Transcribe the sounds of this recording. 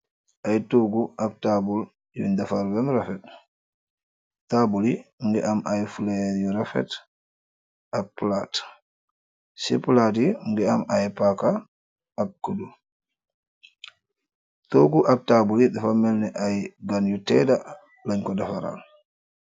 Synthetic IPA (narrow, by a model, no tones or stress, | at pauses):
ʔajtoɡuʔak̚tabul | juindafaɾbɛmɾafɛt̚ | tabuliŋɡɛʔamʔajfulɛjuɾafɛ̰t | ak̚plat | sɛplat̬iŋɡɛamajpaka | ak̚kːudu | toɡuʔak̚tabulidafamɛlnɛʔajɡanjutɛda | laɲkɔdafaɾa̰l